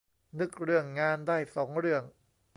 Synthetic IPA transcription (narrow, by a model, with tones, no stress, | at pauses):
nɯ˦˥k̚ɾɯ˥˩əŋːaː˧ndaː˥˩jsɔː˩˦ŋɾɯ˥˩əŋ